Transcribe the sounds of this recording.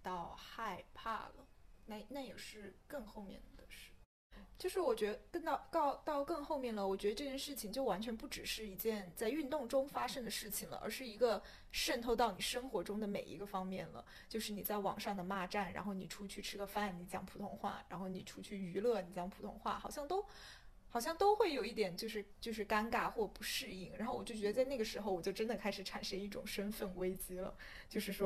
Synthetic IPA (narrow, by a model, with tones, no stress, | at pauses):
t̪ɑ˥˧ʊxa˥˧ɪpʰa̰˥˩lə̰˩na˥˩na˥˩jɛ˨˩ʂɻ̩˥˧kə˥˧ŋxo˥˧ʊmjɛ̰˥˩nd̪ə˨˩d̪ə˩ʂɻ̩˥˩ | t͡ɕjo˥˧ʊʂɻ̩˥˩wɔ˨˩t͡ɕɥɛ˧˥d̪ə˧kə˥˧nt̪ɑ˥˧ʊk̪ɑ˥˧ʊt̪ɑ˥˧ʊkɤ˥˧ŋxo˥˧ʊmjɛ˥˩nlə˩wɔ˨˩t͡ɕɥɛ˧˥d̪ə˧ʈ͡ʂɤ˥˧˩t͡ɕjɛ˥˧nʂɻ̩˥˩t͡ɕʰi˩ŋt͡ɕjo˥˩ʊwa˧˥nt͡ɕʰɥɛ˧˥npu˥˩ʈ͡ʂɻ̩˨˩ʂɻ̩˥˩i˧˥t͡ɕjɛ˥˩nt͡sa˥˧ɪy˥˧nt̪ʊ˥˩ŋʈ͡ʂʊ˥ŋfa˥ʂɤ˥ŋd̪ə˨ʂɻ̩˥˩t͡ɕʰi˨˩ŋlə̰˩ʔə̰˞˧˥ʂɻ̩˥˩i˧˥ɡə˧ | ʂə˥˧nt̪ʰo˥˧ʊt̪ɑ˥˩ʊni˨˩ʂɤ˥ŋxwɔ˧˥ʈ͡ʂʊ˥ŋd̪ə˨mḛ˨˩ɪḭ˧˥ɡə˧fɑ˥ŋmjɛ˥˩nlə̰˩ | t͡ɕjo˥˧ʊʂɻ̩˥˩ni˨˩t͡sa˥˩ɪwɑ̰˨˩ŋʂɑ˥˩ŋd̪ə˩ma˥˧ʈ͡ʂa˥˩nɻa̰˧˥nxo˥˩ʊni˨˩ʈ͡ʂʰu˥t͡ɕʰy˥˩ʈ͡ʂʰɻ̩˥ɡə˧fa˥˩nni˧˥t͡ɕjɑ̰˧˥ŋpʰu˨˩t̪ʰʊ˧˥ŋxwa̰˥˩ɻa̰˧˥nxo˥˩ʊni˨˩ʈ͡ʂʰu˥t͡ɕʰy˥˩y˧˥lɤ˥˩ni˨˩t͡ɕjɑ˧˥ŋpʰu˨˩t̪ʰʊ̰˧˥ŋxwa̰˥˩xɑ˨˩ʊɕjɑ˥˩ŋt̪o˥ʊ | xɑ˨˩ʊɕjɑ˥˧ŋt̪o˥ʊxwe˥˩ɪjo˨˩ʊi˥˩t̪jɛ˨˩nt͡ɕjo˥˧ʊʂɻ̩˥˩t͡ɕjo˥˧ʊʂɻ̩˥˩ka˥nka˥xwɔ˥˩pu˧˥ʂɻ̩˥˧i˥˩ŋɻa̰˧˥nxo˥˩ʊwɔ˨˩t͡ɕjo˥˩ʊt͡ɕɥ̪ə˧t͡sa˥˧na˥˩ɡə˩ʂɻ̩˧˥xo˧ʊwɔ˨˩t͡ɕjo˥˧ʊʈ͡ʂə˥nd̪ə˨kʰa˥ɪʂɻ̩˧˩ʈ͡ʂʰa˨˩nʂə˥ŋi˥˩ʈ͡ʂʊ̰˨˩ŋʂə˥nfə˥˩nwe˥ɪt͡ɕi˥lə̰˨ | t͡ɕjo˥˧ʊʂɻ̩˥˩ʂwɔ˥